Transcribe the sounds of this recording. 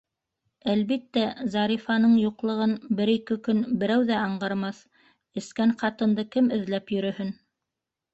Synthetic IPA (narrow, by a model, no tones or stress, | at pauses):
ælβit̪ːæzɑɾifɑnɤɴjuqlˠɤ̆ʁɤnbɘɾikɘkɵnbɘ̆ɾæwðæɑɴɢɑɾmɑθ | ɘ̆skæɴqɑt̪ɤ̆nd̪ɤkɘmɘ̆ðlæpjɵ̆ɾɵ̆hɵn